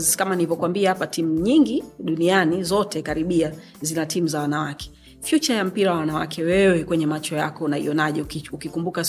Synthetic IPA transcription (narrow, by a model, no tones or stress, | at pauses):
kamanilivɔkwambiaapatimuɲiŋɡiɗunianizɔtʰɛkaɾiɓia | zinatʰimuzawanawakɛ̥ | fjut͡ʃajam̩piɾawawanawa̰kʰɛwɛwɛkwɛɲɛmat͡ʃɔja̰kɔunaḭɔnaʄɔukikumbuka